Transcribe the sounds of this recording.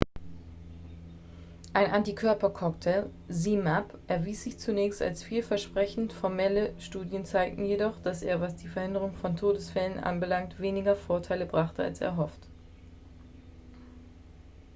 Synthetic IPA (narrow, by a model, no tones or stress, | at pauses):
ʔaɪnʔantikʰœɐpɐkʰɔktʰɛl | zimapʔɛɐviːsz̥ɪçt͡sunɛːçsta̰lsfiːlfɛɐʃpʁ̥ɛçn̩tfɔɐmɛləʃtuːdjənt͡saɪk̚tn̩jedɔχd̥asḛːɐvasd̥iːfɛɐhɪndəʁ̞ʊŋfɔntʰoːdəsfɛlənʔa̰nbəlaŋktv̥eːnɪɡɐfoːɐtʰaɪləbʁaχtəa̰lsḛːɐɦɔft